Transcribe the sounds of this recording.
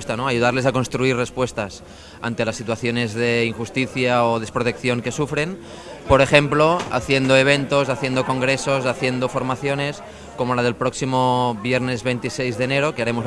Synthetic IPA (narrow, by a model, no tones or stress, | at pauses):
st̪anoajuð̞aɾle̞sako̞nst̪ɾuirespwest̪as | a̰nt̪e̞lasːit̪uwaθjo̞ne̞zðeiŋxust̪iθjaoð̞espɾot̪ekθjo̞ŋke̞sufɾe̞n | po̞ɾexe̞mploa̰θjend̪oeβ̞ent̪osaθje̞nd̪oko̞ŋɡɾesosaθje̞nd̪ofo̞ɾmaθjo̞ne̞s | komolað̞e̞lpɾoksimoβjeɾnezβejnt̪isejzðeneɾokeaɾemo